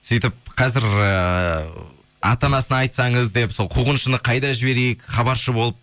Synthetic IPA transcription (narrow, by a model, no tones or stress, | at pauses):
sijt̪ɪp̚qʰɑzɪɾə | ɑ̰t̪ɑnɑsənɑjt̪sɑɴəzd̪e̞pso̞lˠqʰuʁənʃənəqʰɑjd̪ɑʒɪbe̞ɾejɪkχɑbɑɾʃəbo̞lˠəp̚